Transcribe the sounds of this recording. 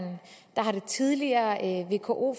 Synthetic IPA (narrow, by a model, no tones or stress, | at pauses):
nd̥ɑ̈ɦɑ̈ɾe̝t͡sʰiðˠliɐːʋe̝̰ːkʰo̝ʔo̝̰ːf